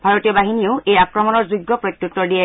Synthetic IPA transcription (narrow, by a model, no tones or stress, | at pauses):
bʱaɹotijɔbaɦinioʊejakɹɔmɔnɔɹzuɡːɔpɹɔt̪jut̪ːɔdiɛ